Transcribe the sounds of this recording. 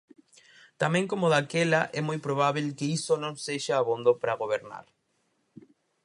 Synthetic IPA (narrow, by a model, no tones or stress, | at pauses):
t̪amẽŋkomoðakɛlaʔɛmojpɾoβ̞aβelkeisonõŋseʃaːβond̪opɾaɣoβ̞eɾna̰ɾ